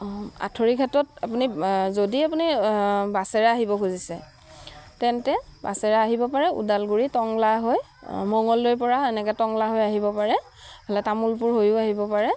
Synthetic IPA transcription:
a̰tʰoɹikʰatɔtapunizodiapunibasɛɹaaɦibɔkʰuzisɛ | tɛntɛba̰sɛɹaaɦibɔpaɹɛṵdalɡuɹitɔŋlaɦoj | mɔŋɔlːojpɔɹaɛnɛkɛtɔŋlaɦojaɦibɔpaɹɛ | bɔlɛtamulpʊɹɦojʊaɦibɔpaɹɛ

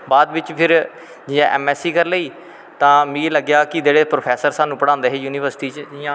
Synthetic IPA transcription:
baːd̪ʋɪt͡ʃpʰɪɾ | d͡ʒɪjãːʔɛːmɛːsiːkəɾləiː | t̪ãːmĩːləɡjaːkɪd͡ʒeːɽeːpɾoːpʰɛːsəɾsaːnũːpəɽãːnd̪eːɦeːjuːniːʋəɾsʈiːt͡ʃd͡ʒɪãː

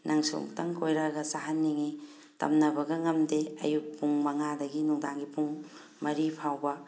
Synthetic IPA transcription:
nʔɐŋsṵŋtɐŋkojɾaɡɐsaɦɐnːiŋi | tɐ̰mnɐbɐɡɐŋɐmdeɐ̰juk̚puŋmɐŋadɐɡinuŋdaŋɡipuŋ | mɐɾipʰawbɐ

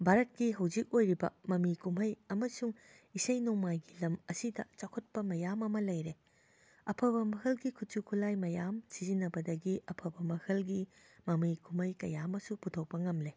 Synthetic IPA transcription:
bʱaɾɐt̚kiɦɐwzik̚ojɾibɐ̰mɐmikumɐjɐmɐsuŋ | isɐjnomajɡilɐmɐsidɐ̰t͡ʃakʰɐt̚pɐmɐjamɐmɐlɐjɾe | ɐpʰɐbɐmɐhɐlɡikʰut̚t͡ʃukʰulajmɐjamsizinːɐbɐdɐɡiɐpʰɐbɐmɐhɐlɡimɐmikumɐjkɐ̰jamɐsuputʰow̚pɐŋɐmle

